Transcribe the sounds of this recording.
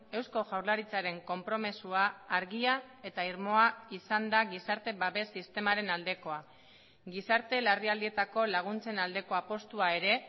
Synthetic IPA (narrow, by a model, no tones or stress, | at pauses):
e̞wsko̞ʝawɾlaɾit͡saɾe̞ŋko̞mpɾo̞mesuaːɾɣiae̞t̪aiɾmo̞aisand̪aɣisaɾt̪e̞βaβe̞sːist̪e̞maɾe̞nald̪e̞ko̞a | ɡisaɾt̪e̞lariald̪ie̞t̪ako̞laɣ̞unt͡se̞nald̪e̞ko̞apo̞st̪uaeɾe̞